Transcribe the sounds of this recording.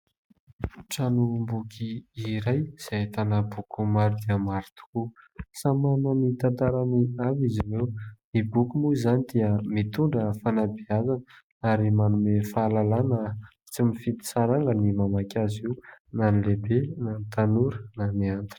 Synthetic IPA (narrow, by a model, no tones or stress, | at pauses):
ʈ͡ʂanumbukʰʲiiɾajz̥eat̪anəbukumaɾud̪iəmaɾit̪u̥kusamanəmit̪ant̪aɾaniavizimewmibukumuizanid̪iəmit̪uɳɖ͡ʐəfanabiazanə | aɾimanumefalalanə | t͡simifit̪i̥saɾaŋɡənimamakʲaziwnanilebenanit̪anuɾə̥namiant̪i̥